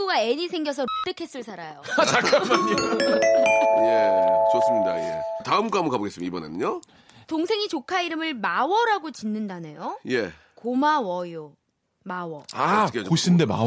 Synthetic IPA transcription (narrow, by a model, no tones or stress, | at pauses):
uɡaeɲisʰe̞ŋɡjʌs̬ʰʌot͈ekʰe̞s͈ɯɭsʰaɾajoat͡ɕakkaake | jet͡ɕos͈ɯmɲida̰je̞̰taɯmkoamukaboɡes͈ɯmibʌnḛnɲo | toŋsʰe̞ŋit͡ɕokʰaiɾɯmɯɭmawʌɾaɡot͡ɕinːɯndanejoje̞ | komawʌjo | mawʌakkoɕ͈ʰinndema̰